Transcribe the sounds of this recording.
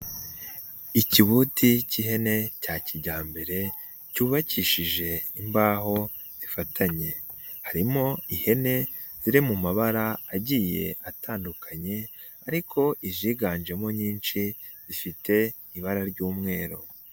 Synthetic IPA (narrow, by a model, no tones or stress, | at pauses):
iciβutʰiciɦe̞ne̞caciɟaːmbe̞ɾe̞ | cuːβaciːʃiʒe̞imbaːɦo̞ | zifatʰaɲe̞ | haɾimo̞ihe̞ne̞ | z̥iɾimumaβaɾaaɟiːje̞̰ataːndukaɲe̞ | aɾikʰo̞ʔiʒiːɡaːnd͡ʒe̞mo̞ɲiːnʃi | zifite̞ | iβaɾaɾɟuːmŋe̞ːɾo̰